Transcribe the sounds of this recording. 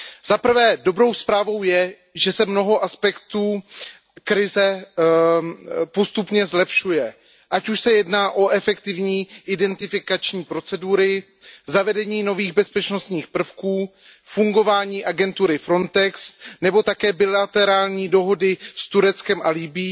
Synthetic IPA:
z̥apr̩vɛːdo̞bɾo̞wspɾaːvo̞wjɛ | ʒɛsɛmno̞ɦo̞ʔaspɛkt̪uː | kɾɪzɛ | po̞st̪upɲɛzlɛpʃujɛ | ʔacuʃsɛjɛdnaːʔo̞ʔɛfɛkt̪ɪvɲiːʔɪdɛnt̪ɪfɪkat͡ʃɲiːpɾo̞t͡sɛduɾɪ | zavɛdɛɲiːno̞viːɣbɛspɛt͡ʃno̞st̪ɲiːxpr̩fkuː | fuŋɡo̞vaːɲiːʔaɡɛnt̪uɾɪfɾo̞nt̪ɛksnɛbo̞t̪akɛːbɪlat̪ɛɾaːlɲiːdo̞ɦo̞dɪst̪uɾɛt͡skɛmʔalibiː

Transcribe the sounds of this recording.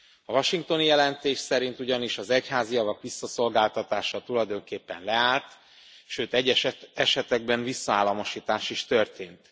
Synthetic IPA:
ɒvɒʃiŋk̚t̪o̞njɛlɛnt̪eːʃsɛɾint̪uɟɒniʃɒzɛchaːzijɒvɒkʋisːɒso̞lɡaːlt̪ɒt̪aːʃɒt̪ulɒjd̪o̞ŋkeːpːɛ̰nlɛaːlt̪ | ʃøːt̪ɛɟːɛʃɛɛʃɛt̪ɛɡ̚bɛnvisːɒaːlːɒmoʃiːt̪aːʃiʃt̪ørt̪eːnt̪

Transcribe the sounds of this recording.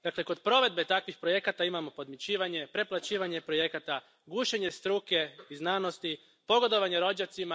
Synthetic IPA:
d̪akle̞ko̞d̪pɾo̞ʋe̞d̪be̞t̪akʋixpɾoje̞kat̪aimamo̞po̞d̪mit͡ɕiːʋaɲe̞pɾe̞plˠat͡ɕiːʋaɲe̞pɾo̞je̞kat̪a | ɡuːʃeɲe̞st̪ɾuke̞iznaːno̞st̪i | po̞ɡo̞d̪o̞ʋaɲeɾo̞d͡ʑat̪sima

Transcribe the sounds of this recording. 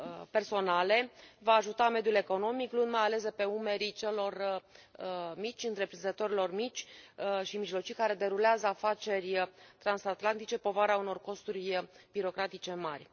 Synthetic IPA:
pe̞rso̞nale̞vaːʒut̪ame̞d̪jule̞ko̞no̞miklund̪majale̞sd̪epe̞ume̞ɾit͡ʃe̞lo̞r | mit͡ʃʲɨnt̪ɾe̞pɾinzət̪o̞ɾilo̞rmit͡ʃʲʃimiʒlo̞t͡ʃijkaɾe̞d̪e̞ɾuleazəafat͡ʃe̞rʲt̪ɾansat̪lant̪it͡ʃe̞po̞vaɾeauno̞rko̞st̪urʲb̥iɾo̞kɾat̪it͡ʃe̞marʲ

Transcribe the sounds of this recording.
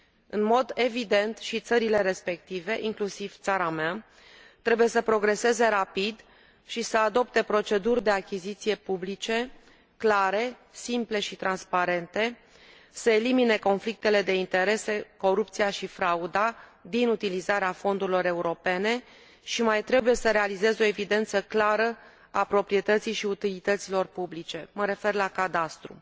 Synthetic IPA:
ɨ̰nmo̞d̪e̞vid̪e̞nt̪ʃit̪səɾile̞ɾe̞spe̞kt̪ive̞ʔiŋklusiv̥t̪saɾamea | t̪ɾe̞buje̞səpɾo̞ɡɾe̞se̞ze̞ɾapid̪ | ʃisəad̪o̞pt̪e̞pɾo̞t͡ʃe̞d̪urʲd̪e̞akʲizit̪sije̞publit͡ʃe̞ | klaɾe̞ | simple̞ʃit̪ɾanspaɾe̞nt̪e̞ | səelimine̞ko̞nflik̚t̪e̞le̞d̪e̞int̪e̞ɾe̞se̞ko̞ɾup̚t̪sijaʃifɾaud̪ad̪inut̪ilizaɾeafo̞nd̪uɾilo̞ɾe̞uɾo̞pe̞ne̞ | ʃimajt̪ɾe̞buje̞səɾe̞alize̞zo̞e̞vid̪e̞nt̪səklaɾə | apɾo̞pɾije̞t̪ət̪sijʃiut̪ilit̪ət̪silo̞rpublit͡ʃe̞məɾe̞fe̞rlakad̪ast̪ɾṵ

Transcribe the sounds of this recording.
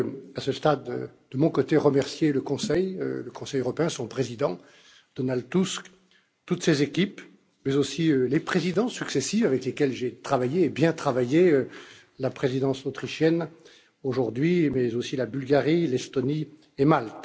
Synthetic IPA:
asəst̪ad̪̰d̪əmɔ̃kɔt̪eʁəmɛʁsjeləkɔ̃sɛjø̰ləkɔ̃sɛjøʁɔpeɛ̃sɔ̃pχezid̪ɑ̃ | d̪̥ɔnald̪t̪usk | t̪ut̪sezekʲip | mɛzosiølepχezid̪ɑ̃syksesivavɛklekʲɛlʒet̪χavajeːbjɛ̃t̪χavajeø | lapχezid̪ɑ̃sot̪χiʃjɛn | oʒuʁd̪ɥimɛzosilabylɡaʁilɛst̪ɔni | emalt̪

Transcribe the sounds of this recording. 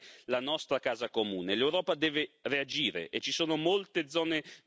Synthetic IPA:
lanɔst̪ɾakaːzakomuːnelewɾɔːpad̪ɛːveread͡ʒiːɾḛʔet͡ʃisoːnomolt̪ed̪zːɔːne

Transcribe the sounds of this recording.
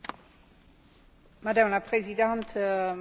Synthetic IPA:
mad̪ãmlapʁezid̪ãnt̪

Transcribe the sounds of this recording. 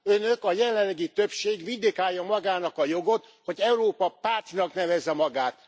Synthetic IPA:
ø̞nøkɒjɛlɛlːɛɡit̪ø̞pʃeːɡʋid̪ikaːjːɒmɒɡaːnɒkɒjo̞ɡo̞t̪ | ho̞ɟɛuɾoːpɒpaːt̪inɒknɛvɛzːɛmɒɡaːt̪

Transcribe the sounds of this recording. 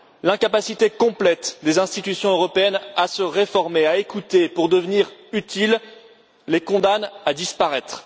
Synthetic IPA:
lɛ̃kapasit̪ekɔ̃plɛt̪d̪ezɛ̃st̪it̪ysjɔ̃øʁɔpeɛnasəʁefɔʁmeaekut̪epuʁd̪əvniʁyt̪il | lekɔ̃d̪anad̪ispaʁɛt̪χ

